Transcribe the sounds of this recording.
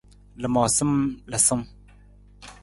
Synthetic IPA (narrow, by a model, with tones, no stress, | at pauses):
lɨ˨mɔ˨sɨ˦mlə˨sɨ˦m